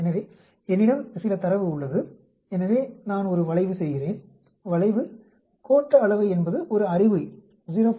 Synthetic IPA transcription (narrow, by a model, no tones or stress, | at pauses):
ɛnɐʋeː | ɛnːɪɽɐmsɪlɐt̪ɐɾɐʋɯʊɭːɐðɯ | ɛnɐʋeːnaːnɔɾɯʋɐɭɐɪʋɯsɛjɣɪreːn | ʋɐɭɐɪʋɯ | kʰoːʈːɐːɭɐʋɐɪɛnbɐðɯʔɔɾɯɐrɪʋɯ | ʊðɪɾɐ